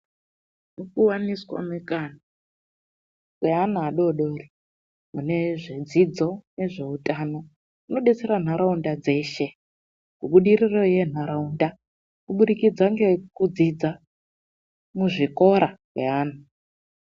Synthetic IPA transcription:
nukuwaniswa̰mikʼana | kweɦanaaɗoɗori | mune̞ʐed͡zid͡zo̞neʐe̞utʼano̞ | uno̞ɗet͡seɾan̤aɾaundad͡ze̞ːʃe | kuɓuɗirirojen̤aɾaunda | kuɓuɗikid͡zaŋɡekud͡zid͡za | muʐikoɾakweɦaːn̤a

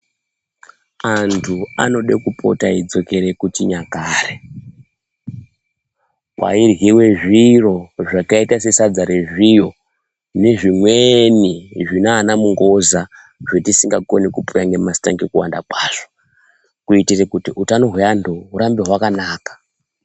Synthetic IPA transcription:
antʰua̰no̞ɗekupʰo̞̰taid͡zo̞ke̞ɾe̞kutiɲakaːre | kwa̰irɦiwe̞ʐiro̞ʐakaitase̞sad͡zaɾeʐijo̞ | ne̞ʐimweniʐinaːnamuŋɡo̞za | ʐetisiŋɡako̞nikupuraŋɡemasta̰ŋɡekuwa̰ndakwaːʐ̥o̥ | kuitirekutiʔutano̞ɦweandʱouɾambeɦwakanaːkḁ

